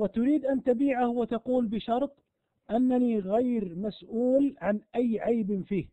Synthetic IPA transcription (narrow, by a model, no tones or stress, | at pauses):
wɪt̪ʊɾiːd̪ʔant̪abiːʕahwat̪ɑquːlbɪʃɑɾˤt̪ˤ | ʔanːaniɣajɾmasʔuːlʕanʔajːʕajbnfiːh